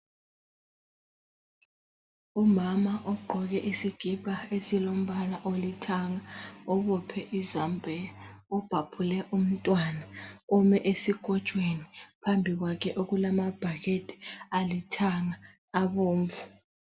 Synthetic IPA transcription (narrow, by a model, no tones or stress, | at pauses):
umamaʔɔɡ͡ǃʱɔɣ̬ɛʔisiɡ̥ʱib̥ʱaesilom̩βalaʔolitʰaŋaɔβɔpʰɛʔizambʱɛɔb̥ʱapʰulɛʔum̩tʼwanaɔmɛʔesiɡ̥ʱɔt͡ʃʼwenipʰambʱiɣ̬wakʰɛʔoɣulamab̥ʱaɣetʼɛ̥alitʰaŋaː | βoːɱvu